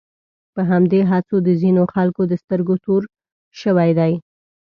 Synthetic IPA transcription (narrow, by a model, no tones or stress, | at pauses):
pəɦamd̪eɦat͡sod̪əzinoxalkod̪əst̪əɾɡot̪oɾ | ʃəwajd̪aj